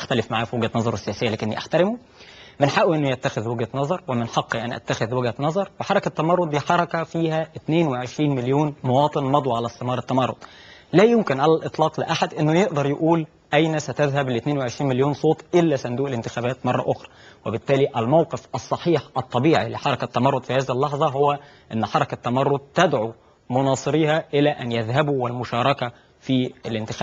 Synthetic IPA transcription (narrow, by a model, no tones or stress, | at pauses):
ʔaxt̪ælɪfmaʕaːfiwɪɡhæt̪nɑzˤɑɾˤesːejæːsɪjːælæːkɪnːḭʔaħt̪æɾɪmo | mɪnħaʔuʔenːʊjæt̪ːæxeðwɪɡhænɑzˤɑɾˤwemɪnħɑqːiʔænʔæ̰t̪ːæxeðweɡænɑzˤɑɾˤweħɑɾˤɑkæt̪ːæmɑrˤːod̪ˤiħɑɾˤɑkɑfiːhæʔɪt̪neːnweʕeʃɾiːnmeljoːnmowɑːt̪ˤenmɑd̪ˤwʕalæst̪ːemɑːɾˤɑt̪ːæmɑrˤːo̰d̪ˤlæːjʊmkɪnʕalælʔɨt̪ˤlɑːqlɪʔaħad̪ʔenːojeʔd̪ɑɾˤjeʔuːl | ʔæjnæsæt̪æðɦæblɪt̪neːnweʕeʃɾiːnmɪljoːnsˤoːt̪ˤʔɪlːæsænd̪uːʔɪlɪnt̪ɪxæːbæːt̪mɑrˤːɑ̰ʔʊxɾˤɑwɪbɪt̪ːæːliʔælmawqefʔɑsˤːɑħiːħʔɑt̪ˤːɑbiːʕilɪħɑɾˤɑkæt̪ːæmɑrˤːod̪fihæːðihɪlːɑħzˤɑɦʊwːæ | ʔenːħɑɾˤɑkæt̪ːæmɑrˤːod̪̚t̪æd̪ʕu | mʊnɑːsˤɨɾiːhæʔɪlæːʔænjæðɦæbwɪlmʊʃɑːɾˤɑkæ | fiːɪlɪnt̪ɪxæː